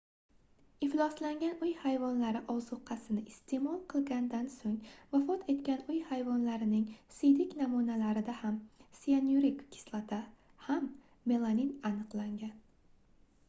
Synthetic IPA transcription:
ɪflˠɒslaŋɡʲanʊjhajvɒnlaɾɪʔɒwzʊqʰɑsɪnɪʔɪst̪ʰe̞mɒlˠqʰɨlˠɡʲand̪ansoŋvafɒt̪ʰe̞t̪kʲanʊjhajvɒnlaɾɪnɪŋsɪjd̪ɪkʲnamunalaɾɪd̪ahamsianuɾɪkkʲʰːɪ̥slˠat̪ʰa | hamː | e̞lˠaninanɨqlˠaŋɡʲan

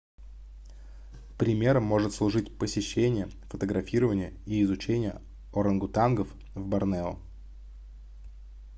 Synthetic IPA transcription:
pɾʲɪmʲe̞ɾəmːo̞ʐɨt̪slˠʊʐɨtʲpəsʲɪɕːenʲɪjə | fət̪əɡɾɐfʲiɾəvənʲɪjəiːzʊt͡ɕenʲɪjə̰ | oɾənɡʊt̪anɡəf | vbɐrnɛʊ̰

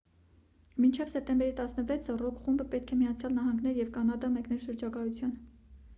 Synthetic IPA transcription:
mint͡ʃʰɛvsɛp̚t̪ɛmbɛɾit̪ɑsnəvɛt͡sʰərɔkχumbəpɛt̪̚kʰɛmijɑt͡sʰjɑlnɑɦɑŋɡnɛɾjɛvkɑnɑd̪ɑmɛknɛlʃəɾd͡ʒɑkɑjut͡sʰjɑn

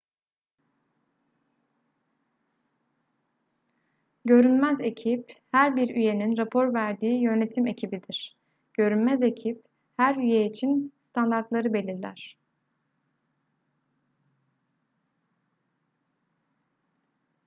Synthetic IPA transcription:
ɟø̞ɾynmæze̞cʰiphæɾbiɾyje̞ninɾapʰo̞ɾvæɾd̪iːjø̞ne̞t̪ʰime̞cʰibid̪iɾ̥ | ɟ̥ø̞ɾynmæze̞cʰip̚ | hæɾyjeit͡ʃʰinst̪ʰand̪aɾt̪lˠaɾɯbe̞lʲiɾlʲæ̰ɾ̥

